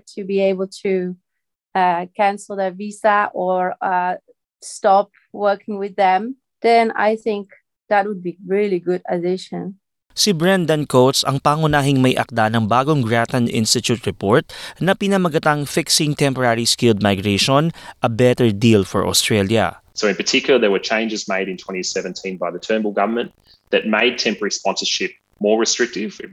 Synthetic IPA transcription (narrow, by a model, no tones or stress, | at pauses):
tʰɨbieɪbəl̩ˠtʰu | akʰæ̃nsl̩ˠðəvisəʔə˞ʌ | stɑp̚ | wɜ˞kɪ̃ŋwɪðɛ̃m | ðɛ̃na̰ɪθɪ̃ŋk | ðət̚wəd̚biɹɪlˠiɡʊɾədɪʃə̃n | sibɹɛnd̪ɐnkowt̪sɐŋpaːŋʊnaːɦɪŋmɐjʔɐ̰k̚d̪anɐŋbaːɡoŋɡɹat̪ɐnʔɪ̰nst̪ɪt̪ut̪ɹɛpoɹt̪̚nɐpɪnɐmɐɡɐt̪aŋfɪksɪŋt̪ɛmpɔɹaɹiskɪld̪̚majɡɹɛʃonʔɐbɛt̪ɛɹd̪ilfɔ̰ɹʔo̰st̪ɹɛljɐ̰ | soʊɨ̃npətʰɪkjʊl̩ˠəðəwə˞t͡ʃʰẽɪ̃nd͡ʒɨzmeɪɾɨ̃ntʰw̥ɛ̃ɾ̃isɛvɨ̃ntʰĩnbaɪðətʰɜ̃˞nbəl̩ˠɡʌvə˞mə̃n | ðɨt̚meɪd̚tʰɛ̃mpəɹəɹispɑ̃nsə˞ʃɪp̚ | mɔːɹɨstɹ̥ɪk̚tɪv